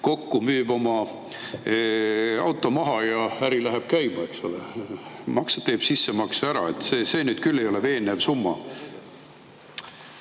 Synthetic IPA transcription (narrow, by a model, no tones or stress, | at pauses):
ko̞kːumyːb̥o̞mɑ | ɑwt̪ːˑo̞mɑɦɑjɑæɾilæɦeb̥kæjmɑe̞kso̞lemɑksɑ̥t̪e̞ːb̥sisːemɑksæɾɑ̰e̞t̪ːseːse̞ːnyːd̪̥kylːejo̞leve̞ːnːevsumːɑ